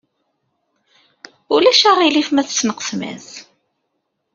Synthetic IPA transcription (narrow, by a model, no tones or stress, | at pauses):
ulæʃaʁilifmæθt͡sːnəqə̥smæ̰θ